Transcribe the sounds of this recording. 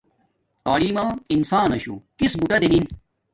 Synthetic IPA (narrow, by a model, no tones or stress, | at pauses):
t̪aːliːmaːinsaːnɐɕṵkisbuʈɐd̪enin